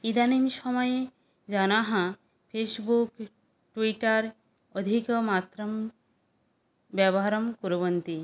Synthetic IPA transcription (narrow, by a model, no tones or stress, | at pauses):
id̪animʃɔmɔje | d͡ʒanaɦã | pʰesbuk | ʈwiʈaɾ | ɔd̪ʱikɔmat̪ɾɐm | bjɛbɔɦaɾɔmkuɾobənt̪i